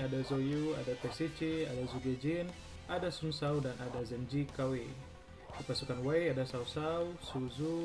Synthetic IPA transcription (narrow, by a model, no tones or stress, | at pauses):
adazojua̰dapɛsit͡ʃiadazuɡed͡ʒin | adasumsaudanʔadazɛmd͡ʒikawe | dipasukanwajadasausausuzu